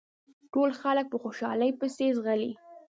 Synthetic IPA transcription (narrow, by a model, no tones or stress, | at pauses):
ʈolxalək̚pəxoʃɑ̰ləjpəsezɣali